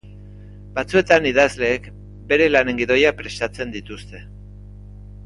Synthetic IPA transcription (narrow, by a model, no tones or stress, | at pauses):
bat͡sue̞t̪aniðazle̞ːk | be̞ɾe̞lane̞ŋɡiðo̞japɾe̞st̪at͡se̞nd̪it̪ust̪e̞